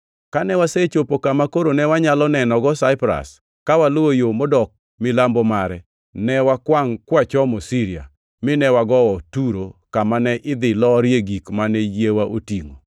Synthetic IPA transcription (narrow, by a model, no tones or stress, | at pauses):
kanɛwaset͡ʃopokamakoɾonɛwaɲalɔnɛnɔɡɔsaɪpɾa̰s | kawalwojomɔdɔk̚ | mɪlambɔmaɾɛ | nɛwakwaŋkwat͡ʃɔmɔsiɾia̰ | mɪnɛwaɡɔwɔtuɾokamanɛʔɪd̪ɪlɔɾjeɡikmanɛjewaʔotiŋo